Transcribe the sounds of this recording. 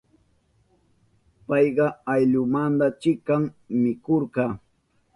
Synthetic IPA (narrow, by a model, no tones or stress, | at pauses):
pɑjɢɑajʎʊmand̪at͡ʃɪkaŋmɪkoɾɢɑː